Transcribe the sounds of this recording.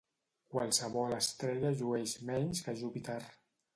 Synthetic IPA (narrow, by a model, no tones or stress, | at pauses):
kwalˠsəβɔləst̪ɾɛʎəʒuɛʃmɛɲskəʒupit̪ar